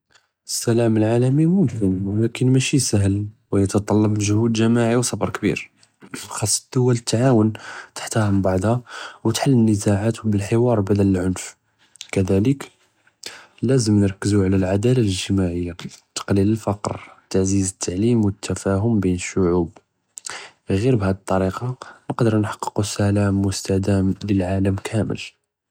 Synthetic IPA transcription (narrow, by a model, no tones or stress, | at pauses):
əsːælæməlʕalæmimunfəmwlækənmæʃisæɦəlwjət̪ɑt̪ˤɑlːɑbʒʊhud̪ʒæmaʕiwsˤɑbɾˤkbḭɾ | xɑsˤːd̪̥ːʊwːælət̪ːʕawənt̪ḁħt̪æhmbɑʕd̪ˤhawət̪ħalːənːəzaʕat̪wbəlħəwɑɾˤbæd̪æləlʕʊnf | kæd̪ælək | læzəmnəɾˤkːəzuʕlælʕad̪ælaləʒt̪əmaʕəjːat̪ːɑ̥qliləlfɑqɾt̪aʕzizət̪ʰːaʕlimwət̪ʰːæfæɦʊmbinəʃːʊʕub | ɣiɾbhæd̪t̪ˤːɑɾiqɑnəqd̪əɾˤnħɑ̥qːə̥qusælæmwʊst̪æd̪æmləlʕaləmkʰæmə̰l